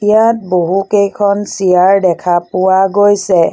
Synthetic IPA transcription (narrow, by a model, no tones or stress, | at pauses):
tijat̚boɦukejkʰɔnsijaɹdɛkʰapʊwaɡojsɛ